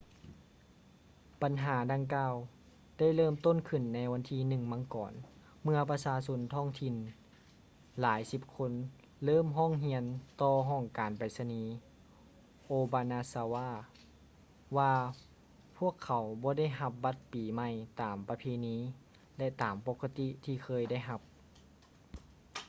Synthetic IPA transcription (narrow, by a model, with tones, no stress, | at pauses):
pa˨nɦaː˩˦da˧ŋkaː˧w | da˥˩jlɤː˧˥˨mt̪o˥˨nkʰɯ˧˩nːa˧˥jwa˧nt̪ʰiː˧nɯ˧ŋma˧˥˦ŋkɔː˨˩n | mɯ˧ɐpa˧saː˧so˧˥nt̪ʰɔː˧˥˩ŋt̪ʰi˧˩n | laː˨˦jsi˧p̚kʰo˧˥n | lɤː˥˨mɦɔː˥˨ŋɦi˧ənt̪ɔː˧ɦɔː˧˥˩ŋkaː˨npa˨˩jsa˧niː˧˦ | ʔoː˧baː˧na˧saː˧waː˧˥˩ | waː˧ | pʰu˥˩əkʰːa˨˦wbɔː˧˦da˥˩˨jɦa˧p̚ba˧˥t̪̚piː˨˩ma˧˩jt̪aː˨˩mpa˧pʰeː˧˨niː˧˥ | lɛ˧ʔt̪aː˨˩mpoː˧˥kːa˧t̪i˧t̪ʰiː˧kʰɤː˧˨jda˥˩jɦa˧p̚